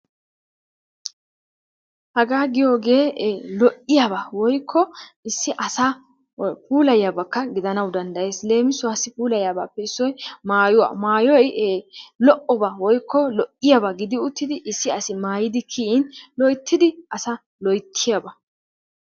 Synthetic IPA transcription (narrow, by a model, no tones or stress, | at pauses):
hɐɡaːɡɪjo̞ːɡe̞ːlɔʔɪjabɐwɔjkʰːɔɪsːɪʔɐsa | puːlɐjabɐkːɐɡɪd̪ɐnɐwd̪ɐnd̪ɐje̞ːsle̞ːmɪsʊɐsɪpuːlɐjaːba̰ːpːɛɪsːɔjmaːjʊwa̰maːjɔjelɔʔɔbɐwɔjkːɔlɔʔɪjɐbɐɡɪd̪ɪʊt̪ːɪd̪ɪʔɪsːɪɐsɪmaːjɪd̪ɪkʰiɪnlɔjt̪ʰːɪd̪ɪʔɐsɐ | lɔjt̪ʰːɪjɐbɐ